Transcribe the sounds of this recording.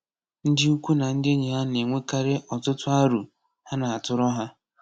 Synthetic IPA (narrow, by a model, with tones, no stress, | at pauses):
n̩˦dɪ˦u˦kʷu˦na˨n̩˦dɪ˦e˦ɲe˨ɦa˦ne˨ŋʷe˦ka˦ɾɪ˦ʔɔ˨tʊ˦tʊ˦a˦ɾu˨ | ha˦na˨a˨tʊ˦ɾɔ˦ɦa˦